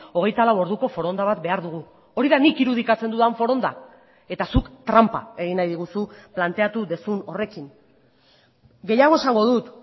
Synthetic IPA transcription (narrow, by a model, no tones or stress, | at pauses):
o̞ɣ̞e̞jt̪alawo̞ɾðuko̞fo̞ɾo̞nd̪aβ̞at̪be̞aɾðuɣ̞u | o̞ɾiðanikiɾuð̞ikat͡se̞nd̪uðaɱfo̞ɾo̞nd̪a̰ | e̞t̪asukt̪ɾampa̰e̞ɣ̞inajðiɣ̞usuplant̪e̞at̪uðe̞suno̞re̞kin | ɡe̞jaɣo̞e̞saŋɡo̞ðut̪